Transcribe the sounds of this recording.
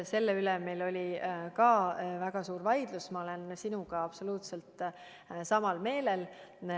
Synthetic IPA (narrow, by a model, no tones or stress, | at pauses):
se̞lːeylemejlo̞lʲikɑːvæɡ̥ɑsuːɾvɑjd̪̥lusmɑo̞le̞nsinuɡ̥ɑɑb̥so̞luːt̪se̞lt̪ˑ | sɑmɑlme̞ːlel